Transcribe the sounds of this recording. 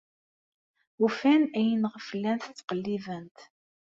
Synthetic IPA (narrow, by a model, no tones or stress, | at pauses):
ufænæjənʁəfəlːænθət͡sːqəlːivənt̪